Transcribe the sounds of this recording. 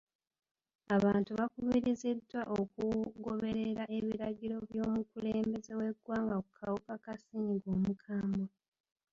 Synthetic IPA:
aβaːntuβakuβiɾizidːwaʔokuɡo̞βe̞ɾeɾaʔe̞βiɾaɟiɾo̞βjo̞ːmukuleːmbe̞ze̞we̞ɡwaːŋɡakukʰawukakasiɲiɡoːmukʰaːmbo

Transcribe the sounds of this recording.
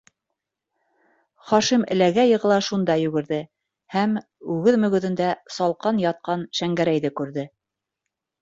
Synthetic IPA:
χɑʃimɘ̆læɡæjɤ̆ʁɤ̆lˠɑʃund̪ɑjɵ̆ɡɘ̆ɾðɘ | hæm | ʉɣɘðmɵ̆ɡɵ̆ðɘ̆nd̪æsɑlˠqɑnjɑt̪̚qɑnʃæŋɡæɾæjðɘkʉɾðɘ

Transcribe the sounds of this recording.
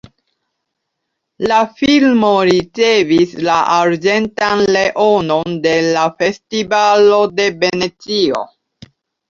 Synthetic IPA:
lafilmo̞ɾit͡se̞vislaʔaɾd͡ʒe̞ntanle̞ʔo̞nonde̞lafe̞stivalo̞de̞be̞net͡sio̞̰

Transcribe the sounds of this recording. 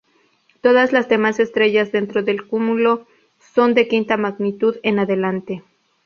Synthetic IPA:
t̪o̞ðazlazðe̞mase̞st̪ɾe̞ʝazðe̞nt̪ɾo̞ðe̞lkumulo̞ | so̞nd̪e̞kint̪amaɣnit̪uðe̞naðe̞lant̪e̞

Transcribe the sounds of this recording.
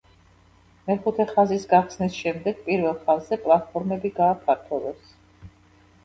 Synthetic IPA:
mɛχut̪ʰɛχazisɡaχsnisʃɛmd̪ɛɡ̥̚pʼiɾvɛlˠχazzɛpʼlˠat̪̚pʰɔɾmɛbiɡaːpʰaɾt̪ʰɔvɛs

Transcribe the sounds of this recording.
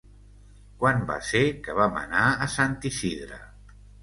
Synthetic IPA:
kwanba̰sekəβamə̰naəsant̪isiðɾə̰

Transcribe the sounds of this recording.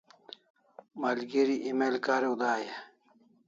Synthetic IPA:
malɡeɾiʔimelkaːɾeud̪aːja

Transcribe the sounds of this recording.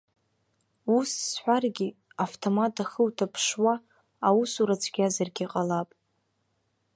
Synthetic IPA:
usːħʷᶣarɡʲi | aftʰomatʼʰaχəwtʰapʰʂwaː | wusuɾat͡sʷʰɡʲazarɡʲiqʼalapʼ

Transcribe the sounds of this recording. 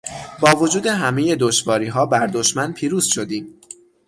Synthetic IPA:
bɒːvo̞d͡ʒuːd̪e̞ɦæmeje̞d̪o̞ʃvɒːɾiːɦɒːbæɾd̪o̞ʃmænpʰiːɾuːz̥ʃo̞d̪iːm

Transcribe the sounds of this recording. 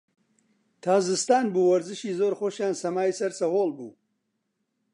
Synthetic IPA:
t̪ʰaːzɨst̪aːnbuːwɐɾzɨʃiːzoːɾxoːʃjaːnsɐmaːjsɐɾsɐhoːlˠbṵː

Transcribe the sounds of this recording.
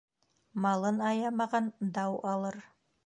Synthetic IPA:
mɑlˠɤnɑjɑmɑʁɑnd̪ɑwɑlˠɤɾ

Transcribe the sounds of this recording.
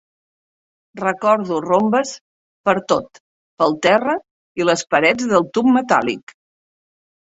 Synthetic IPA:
rəkɔɾðurombəs | pəɾt̪ot̪ | pəlˠt̪ɛrə | iləspəɾɛd͡zðəlˠt̪umːət̪a̰lḭk

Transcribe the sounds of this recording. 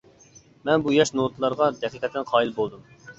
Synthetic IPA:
mɛnbujɑʃnot̪ʰlˠɑɾʁɑd̪ɛqiqɛt̪ʰːɪnqʰɑːilbolˠd̪um

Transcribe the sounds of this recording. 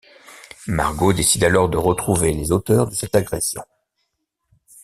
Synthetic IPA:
ma̰ʁɡod̪esid̪alɔʁd̪əʁət̪χuvelezot̪œʁd̪əsɛt̪aɡʁɛsjɔ̰̃

